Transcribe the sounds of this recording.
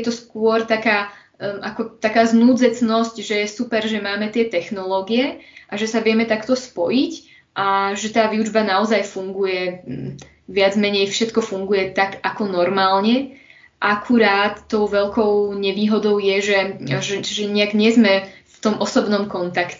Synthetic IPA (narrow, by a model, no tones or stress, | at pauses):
jɛt̪ɔskʊɔɾt̪akaː | ʔakɔt̪akaːznuːd͡zɛt͡snɔscʒɛjɛsupɛɾʒɛmaːmɛt̪ɪɛt̪ɛxnɔlɔːɡiɛʔaʒɛsaʋɪɛmɛt̪akt̪ɔspɔjic | ʔaʒɛt̪aːʋiud͡ʒbanaɔzajfuŋɡujɛ | ʋɪad͡zmɛɲɛjfʃɛt̪kɔfuŋɡujɛt̪aɡakɔnɔɾmaːlɲɛ | ʔakʰuɾaːt̪ːɔʊʋɛʎkɔʊɲɛʋiːɦɔd̪ɔʊjɛʒɛʒɛʒɛɲɛaɡɲɛzmɛft̪ɔmʔɔsɔbnɔmkɔnt̪akcɛ